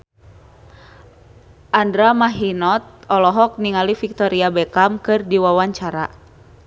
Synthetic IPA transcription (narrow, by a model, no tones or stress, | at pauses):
ʔandɾamaɦinɔt̪̚ɔlɔɦɔk̚niŋalifik̚t̪ɔɾiabɛkamkɨrdiwawaɲt͡ʃaɾa̰